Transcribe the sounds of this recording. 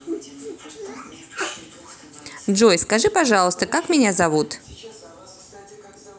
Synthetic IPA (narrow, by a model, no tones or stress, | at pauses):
dʐojskɐʐɨpɐʐɑlˠəst̪əkakmʲɪnʲazɐvut̪